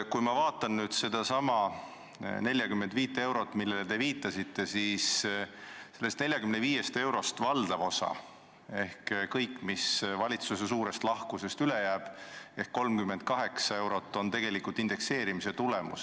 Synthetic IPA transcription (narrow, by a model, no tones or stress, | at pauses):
kujmɑvɑːt̪ːˑɑnnyːd̪̥se̞d̪̥ɑsɑmɑ | ne̞lʲjɑkymːend̪viːt̪ːˑe̞wɾo̞t̪ːˑmilːelet̪e̞viːt̪ːˑɑsit̪ːe̞siːs | se̞lːe̞st̪ne̞lʲjɑkymneviːje̞st̪e̞wɾo̞st̪vɑld̪̥ɑvo̞sɑ̰ | e̞hkkɤjkːˑmisvɑlʲit̪susesuːɾe̞st̪lɑhkuse̞st̪ylejæːb̥e̞hkko̞lmkymːe̞nd̪̥̚kɑɦe̞ksɑe̞wɾo̞t̪ːˑo̞nt̪e̞ɡ̥e̞likult̪ind̪̥e̞kse̞ːɾimise̞t̪ulemṵs